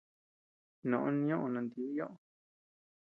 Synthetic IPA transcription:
nõ˨ʔõ˦nĩ˧˦õ˦ʔo˧nã˧nd̪i˧˦i˦jõ˦ʔo˨

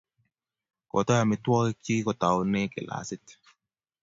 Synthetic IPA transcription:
kɔ̰˨ta˦a˨mɪ˨˦twɔ˦kɪ˦t͡ʃi˦kɔ˨ta˨wnɪ˦kɪ̰˨la̰˨sɪ˦t

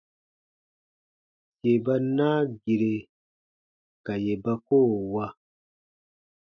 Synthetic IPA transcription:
se˨ba˦na˦ɡi˨ɾe˨ | ka˨je˨ba˦koː˦˨wa˦

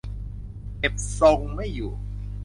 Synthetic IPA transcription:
ke˨˧˩p̚sɔ˧ŋma˥˩jːuː˨˩

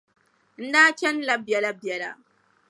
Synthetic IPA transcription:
n̩˦daː˦kʲɛ˦nlɐ˦bjɐ˨lɐ˦bjɐ˨la̰˦˨

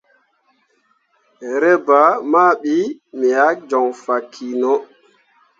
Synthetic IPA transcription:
ɾɛ˦ba˨ma˦ɓi˦mi˨ja˦k̚d͡ʒɔ˨ŋfa˨kʰːi˨nɔ˦

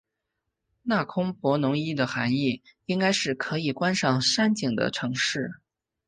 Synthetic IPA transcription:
na˥˩kʰʊ˥ŋpwɔ˧˥nʊ˧˥ŋi˥d̪ə˨xa˧˥ni˥˩i˥ŋka˥ɪʂɻ̩˥˩kʰɤ˧˥i˨˩kwa˥nʂɑ˥˩ŋʂa˥nt͡ɕi˨˩ŋd̪ə̰˦˩ʈ͡ʂʰɤ˧˥ŋʂɻ̩˥˩

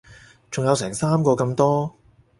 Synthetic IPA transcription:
t͡sʊ˨ŋjɐ˨˧wsɛː˨˩ŋsaː˥mkɔː˧kɐ˧mt̪ɔː˥

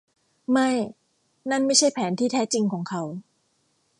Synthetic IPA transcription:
ma˥˩j | na˥˩nma˥˩jt͡ɕʰa˥˩jpʰɛː˩˦nt̪ʰiː˥˩t̪ʰɛː˦˥t͡ɕi˧ŋkʰɔː˩˦ŋkʰa˦˥w

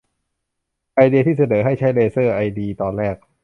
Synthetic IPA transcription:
ʔa˧jdi˧t̪ʰiː˥˩s̬a˧nɤː˩˦ɦa˥˩jt͡ɕʰa˦˥jleː˧sɤː˥˩ʔa˧jdiː˧t̪ɔː˧nɾɛː˥˩k̚

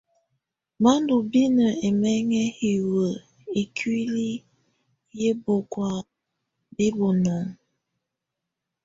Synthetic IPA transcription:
ma˦ndu˨bi˦nə˨e˨mɛ˦ŋɛ˦hi˨wə˨ | e˨kʰɥi˦li˦ | je˦bo˨kwa˦ | bi˦bo˨nɔ˨ŋ

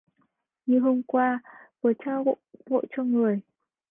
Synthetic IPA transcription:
ɲɨ˧˩ɦo˧mkwaː˧və˨˩t͡ɕaː˧wɣo̰˧˨vo̰˧˨t͡ɕɔ˧ŋɨ˨˩əj

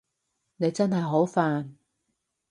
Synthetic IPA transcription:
ne˨˧jt͡sɐ˥nɦɐ˨jɦo˨˥wfaː˨n

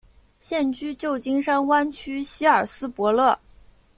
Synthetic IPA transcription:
ɕjɛ˥˧nt͡ɕy˥t͡ɕjo˥˩ʊt͡ɕi˥ŋʂa˥nwa˥nt͡ɕʰy˥ɕi˥ə˞˨˩sɹ̩˥pwɔ˧˥lɤ˥˩

